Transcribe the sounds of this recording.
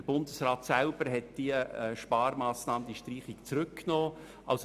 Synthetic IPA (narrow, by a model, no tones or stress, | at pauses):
əb̥ʊndəsrɑːt̪sælb̥əɾɦɛt̚d̥iəɛːʃpɑːɾmɑːsnɑːmənd̥̪iʃtriːχikt͡sɾʏkːnoː | ʔɑ̰ls